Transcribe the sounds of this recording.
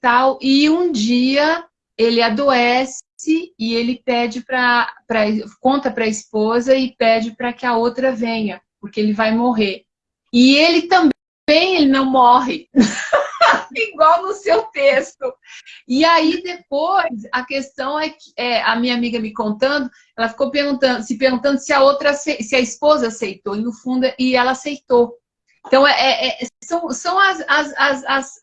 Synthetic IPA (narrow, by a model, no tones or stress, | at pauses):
t̪awʔɪũd͡ʒiɐ | elɪad̪oɛsɪɪelɪpɛd͡ʒɪpɾɐpɾɐikõnt̪ɐpɾɐispozɐɪpɛd͡ʒɪpɾɐkɪɐowt̪ɾɐvẽɲɐpoɾkeelɪvajmoɦeɾ | ɪelɪt̪ɐ̃bẽ | bẽj̃elɪnɐ̃w̃mɔɦɪ | iɡwawnʊsewt̪est̪ʊɪaid̪ep̚ojsɐkest̪ɐ̃w̃ɛkɪ̥ɛɐmĩɲɐamiɡɐmɪkõnt̪ɐ̃nd̪ʊ | ɛlɐfi̥kowpeɾɡũnt̪ɐ̃nd̪ʊsɪpeɾɡũt̪ɐ̃nd̪ʊsɪɐowt̪ɾɐsesɪɐispozɐasejt̪oɪnʊfũnd̪ʊɛʔɪɛlɐasejt̪o | ẽt̪ɐ̃w̃ɛʔɛʔɛsɐ̃w̃sɐ̃w̃ɐzɐzɐzɐs